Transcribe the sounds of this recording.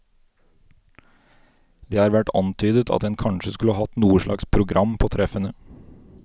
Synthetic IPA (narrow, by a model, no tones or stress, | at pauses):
d̪eːhɑːɾʋæʈɑ̰nt̪ʰyːd̪ət̪ʰɑ̰t̪̚d̪ɛnkʰɑnʃəskʉləɑːhɑt̪nuːəʃɭʔɑ̰kspʰɾʊɡɾʔɑmpʰoːt̪ʰɾɛfənə